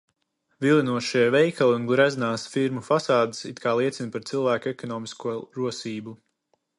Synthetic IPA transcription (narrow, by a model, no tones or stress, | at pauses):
vilˠinuɔʃiɛvɛjkʰalˠunɡɾɛznaːsfiɾmufasaːd̪i̥sit̪kʰaːlˠiɛt̪sinpaɾt̪silˠvæːkɛkɔnɔːmiskuɔɾuɔsiːbu